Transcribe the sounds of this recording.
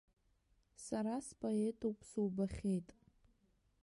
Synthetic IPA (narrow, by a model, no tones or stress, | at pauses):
saɾaspʼoe̞tʰowpʼʰsuwbaχʲejtʼ